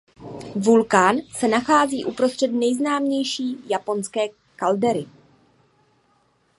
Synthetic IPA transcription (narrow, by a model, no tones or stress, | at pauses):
vulkaːnsɛnaxaːziːʔupɾo̞st̪r̥ɛtnɛjznaːmɲɛjʃiːjapo̞nskɛː | kaldɛɾɪ